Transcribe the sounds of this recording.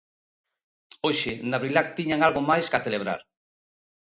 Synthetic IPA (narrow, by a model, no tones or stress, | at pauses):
oʃɪnaβɾilak̚t̪iɲaŋalɣomajskaθeleβ̞ɾa̰ɾ